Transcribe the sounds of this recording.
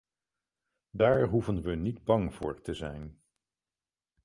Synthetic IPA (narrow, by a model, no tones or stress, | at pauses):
daːɹɦuvənʋənidbɑŋv̥ʊːɹtəzɛ̰jn